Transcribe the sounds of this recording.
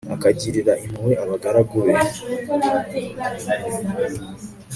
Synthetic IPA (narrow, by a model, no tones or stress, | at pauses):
a̰kaɟiɾiɾainuweaβaɡaɾaɡoɾe